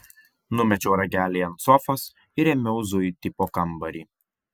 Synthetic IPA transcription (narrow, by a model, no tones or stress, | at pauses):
nʊmʲɛt͡ʃʲɛːɾɐɡʲæːlʲiɐnt̪sɔfɐs | ɪɾʲɛmʲɛʊzʊjt̪ʲɪpoːkɐmbɐɾʲiː